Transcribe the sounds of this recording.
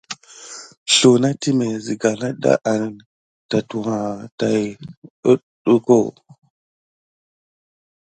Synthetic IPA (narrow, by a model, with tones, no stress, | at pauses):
ɬo˨na˦ti˦me˨zi˨ɡa˨la˦ɗa̰˦ʔa˨ni˨ŋ | ta˨tu˨ha˨ta˨jə˦ | ɗu˦ko˦˨